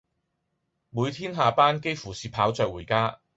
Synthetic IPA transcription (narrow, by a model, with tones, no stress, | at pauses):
muː˨˧jt̪ʰiː˥nɦaː˨˧paː˥nke˥jfuː˨˩siː˨pʰaː˨˥wt͡sœː˨k̚wuː˨˩jkaː˥